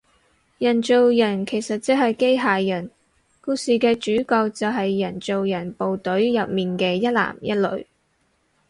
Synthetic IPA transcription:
jɐ˨˩nt͡so˨wjɐ˨˩nkʰe˨˩jsɐ˨t̚t͡sɛ˨˥hɐ˨jke˥jɦaː˨jɐ˨˩n | kuː˧siː˨˧kɛː˧t͡ʃyː˨˥kɔː˧k̚t͡sɐ˨wɦɐ˨jːɐ˨˩nt͡so˨wjɐ˨˩npo˨wt̪ɵ˨˥ɥjɐ˨p̚miː˨nkɛː˧jɐ˥t̚la̰ː˨˩mjɐ˥t̚lɵ̰˨˧ɥ

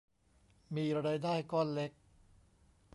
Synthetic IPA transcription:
miː˧ɾa˧ɾa˧jdaː˥˩jkɔː˥˩nle˦˥k̚

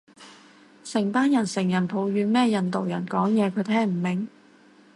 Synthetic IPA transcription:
sɪ˨˩ŋpaː˥njɐ˨˩nsɪ˨˩ŋjɐ˨˩npʰo˨˧wjyː˨˧nmɛː˥jɐ˨nt̪o˨wjɐ̰˨˩nkɔː˨˥ŋjɛː˨˧kʰɵ˨˧˥t̪ʰɛː˥ŋm̩˨˩mɪ˨˩ŋ

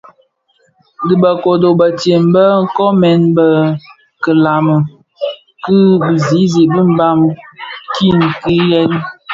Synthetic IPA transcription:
di˨bə˨ko˨do˨bə˨tje˨m˨bə˦ŋ̩˦kɔ˦mɛ˨˦nbə˦ | kə˨la˨mə˨ | ki˦bi˨zi˨˦zi˨bi˦m̩˦ba˦mki˦˨n˨ki˦jɛ˦l

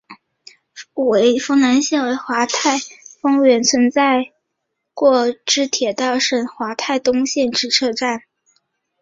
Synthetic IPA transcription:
we˧˥ɪfɤ˥ŋna˧˥nɕjɛ˥˩nwe˧˥ɪxwa˧˥t̪ʰa˥˩ɪfɤ˥ŋɥɛ˧˥nt͡sʰwə˧˥nt͡sa˥˧ɪ | kwɔ˥˧ʈ͡ʂɻ̩˥t̪ʰjɛ˨˩t̪ɑ˥˩ʊʂə˨˩nxwa˧˥t̪ʰa˥˩ɪt̪ʊ˥ŋɕjɛ˥˧nʈ͡ʂɻ̩˥˩t͡sʰɤ˥˧ʈ͡ʂa˥˩n

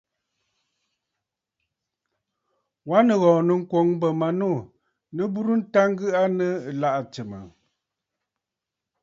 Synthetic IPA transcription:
wa˦nə˨ɣɔ̃ː˨nə˨ŋ̩˦kwɔ˨˦ŋbə˨ma˨no˦˨ | nə˦bu˦ɾu˦n̩˦ta˦ŋ˦ɡɨ˦ʔa˦nə˦˨la˦ʔa˨t͡sə˨mə̰˨

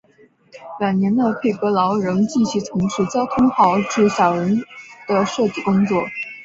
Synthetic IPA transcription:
wa˨˩nnjɛ˧˥nd̪ə˧pʰe˥˩ɪkɤ˧˥lɑ˧˥ʊɻɤ˧˥ŋt͡ɕi˥˩ɕy˥˩t͡sʰʊ˧˥ŋʂɻ̩˥˩t͡ɕjɑ˥ʊt̪ʰʊ˥ŋxɑ˧˥ʊʈ͡ʂɻ̩˥˩ɕjɑ˨˩ʊɻə˧˥nd̪̥ə˧ʂɤ˥˧t͡ɕi˥˩kʊ˥ŋt͡swɔ˥˩

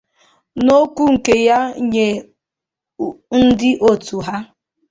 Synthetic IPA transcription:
no˦kʷu˦ŋ̩˨ke˨ja˦ɲe˨ | n̩˦dɪ˦ʔo˨tu˨ɦa˦

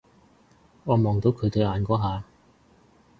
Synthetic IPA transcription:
ŋɔː˨˧mɔː˨ŋt̪o˨˧wkʰɵ˨˧t̪ɵ˨˧aː˨˧nkɔː˨˥ɦaː˨˧

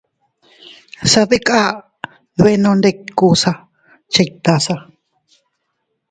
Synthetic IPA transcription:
sa˧ði˦kʼa˦ | βe˦˧nõ˧nd̪e˦˧ku˦˧sa˧ | t͡ʃa˧i˧t̪a˧sa˧

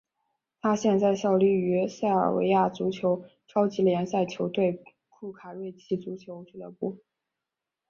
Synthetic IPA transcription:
t̪ʰa˥ɕjɛ˥˧nt͡sa˥˧ɪɕjɑ˥˧ʊly˥˩y˧˥sa˥˩ɪə̰˞˨˩wḛ˧˥ɪja˥˩t͡su˧˥t͡ɕʰjo˧˥ʊʈ͡ʂʰɑ˥ʊt͡ɕi˧˥ljɛ˧˥nsa˥˩ɪt͡ɕʰjo˧˥ʊt̪we˥˧ɪ | kʰu˥˩kʰa˨˩ɻwe˥˩˧ɪt͡ɕʰi˥˩t͡su˧˥t͡ɕʰjo˧˥ʊt͡ɕy˥˩lə̰˧˥pu˥˩

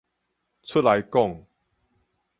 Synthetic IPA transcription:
t͡sʰʊ˥t̚la˨˦jkɔ˥˨ŋ

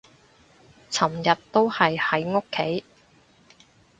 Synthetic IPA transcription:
t͡sʰɐ˨˩mjɐ˨tt̪o˥whɐ˨jhɐ˨˥jŋo˥kʰːe˨˥j

